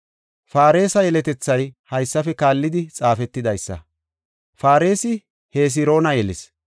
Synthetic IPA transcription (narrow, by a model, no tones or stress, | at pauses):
faːɾe̞ːsɐjɛlɛt̪ɛt͡sːɐjhɐjsːɐfɛkaːlːɪd̪ɪt͡sʼaːfɛt̪ːɪd̪ɐjsːɐ̰ | faːɾe̞ːsɪ | heːs̬ɪɾo̞ːnɐjɛlɪs